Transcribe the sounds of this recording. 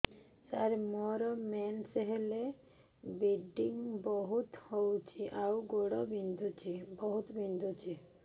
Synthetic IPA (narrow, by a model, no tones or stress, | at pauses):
saɾmɔɾɔmɛnseɦele | biɖiŋbɔɦut̪howt͡ʃʰiʔawɡoɽɔbind̪ʱut͡ʃʰibɔɦut̪bind̪ʱut͡ʃʰi